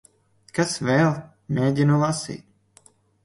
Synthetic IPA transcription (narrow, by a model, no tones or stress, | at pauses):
kasvɛːlˠ | mʲeːdʲinulˠasḭːt̪̚